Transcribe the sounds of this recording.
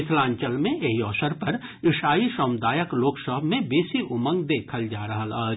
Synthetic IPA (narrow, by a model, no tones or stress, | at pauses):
ɪt̪ʰlãːɲt͡ʃəlmẽʔeɦiɔːsəɾpɐɾ | ɪʃaːiʃɔːmd̪aːjəkloːksəɦəbmẽbeːsiʔʊmə̃ŋɡd̪eːkʰəld͡ʒaːɾɐɦəlaː